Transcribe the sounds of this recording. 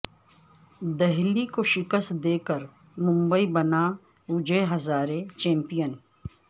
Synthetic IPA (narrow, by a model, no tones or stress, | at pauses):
d̪ɛɦlikoʃɪkəst̪d̪eːkəɾ | mʊ̃mbəibɐna | ʊd͡ʒeɦɐzaːɾet͡ʃɛ̃ːmpijən